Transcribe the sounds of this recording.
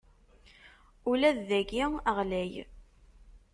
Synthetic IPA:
ulæðːæɡiəʁlæj

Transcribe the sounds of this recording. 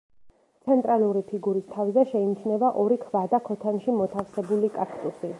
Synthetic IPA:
t̪sʰɛnt̪ʼɾʔaluɾipʰiɡuɾist̪ʰavzɛʃɛinit͡ʃʰnɛvaʔɔɾikʰvad̪akʰɔt̪ʰanʃimɔt̪ʰafsɛbulikʼakʰt̪ʼusi

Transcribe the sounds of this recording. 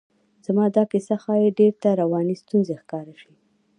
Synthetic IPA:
z̥amɑd̪ɑkɪsaxɑjeɖeɾt̪aɾawɑnist̪unzexkɑɾaʃi

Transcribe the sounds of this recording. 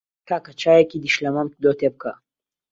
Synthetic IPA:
kaːkɐt͡ʃaːjekid̪iʃlɐmɐmd̪ot̪eb̚kɐ̰

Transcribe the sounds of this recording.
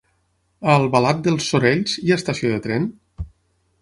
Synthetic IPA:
əlˠβəlat̪̚d̪əlˠsoɾeʎziəst̪asioðət̪ɾɛn

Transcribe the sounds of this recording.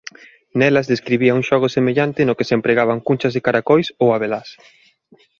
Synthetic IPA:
nɛlɐzðeskɾiβiauŋʃɔɣ̞osemeʎant̪ɪnʊkesempɾeɣaβaŋkunt͡ʃɐzðekaɾakojsowaβelas

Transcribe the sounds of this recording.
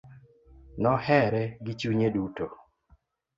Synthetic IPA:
nɔhɛɾɛɡɪt͡ʃuɲeduto

